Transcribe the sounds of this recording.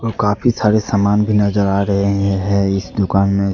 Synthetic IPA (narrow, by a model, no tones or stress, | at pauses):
okaːfisaːɾesaːmaːnbʱinɐzəɾaːɾɐɦeɦɛ̃ɪsd̪ʊkaːnmẽ